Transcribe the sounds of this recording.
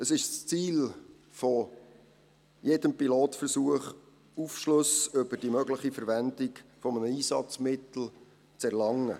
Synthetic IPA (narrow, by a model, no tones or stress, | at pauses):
əsɪʃst͡siːl | fɔ | jedəmpiloːtfəɾsuəχ | ufʃlɵsʏbəɾdimœɡləχifəɾvænd̪ɪkfɔmənəiːsɑt͡smɪt̪l̩ | t͡sɛɾlɑŋːə̰